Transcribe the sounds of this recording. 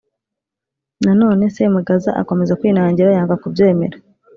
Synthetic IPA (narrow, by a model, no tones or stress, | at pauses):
nano̞ːne̞se̞muɡaza̰ʔa̰ko̞me̞zakwiːnaːɲɟiɾajaːŋɡakubje̞ːme̞ɾa